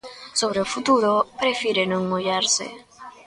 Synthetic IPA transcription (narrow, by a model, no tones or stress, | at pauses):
soβ̞ɾeofut̪uɾopɾefiɾenõŋmoʎaɾsḛ